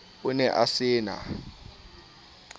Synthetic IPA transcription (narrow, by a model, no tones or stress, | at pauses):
unɛʔasɪːna̰